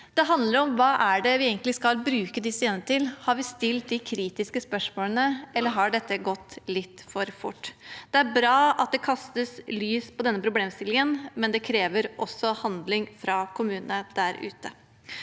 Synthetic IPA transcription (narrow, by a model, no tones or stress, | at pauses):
d̪̥ɛɦɑnd̪ləɾɔmʋɑːʔæɖɛʋɪeːɡŋlɪskɑlbɾʉːkəd̪ɪseːnəət̪ɪlhɑɾʋɪst̪ɪlt̪̚d̪ɪkʰɾiːt̪ɪskəspœʂmoːlənəɛlːəɾɦɑɖɛt̪ːəɡɔt̪ːlɪt̪ːfɔɾfʊ̰ʈːd̪̥ɛæɾbɾɑːʔɑt̪̚d̪ɛkʰɑst̪əslyːspʰɔd̪ɛnːəpʰɾʊbleːmst̪ɪlɪŋənmɛnd̪ɛkʰɾeːʋəɾʔɔsːɔhɑnd̪lɪŋfɾɑkʰʊmʉːnəəd̪̥æɾʉ̰ːt̪ə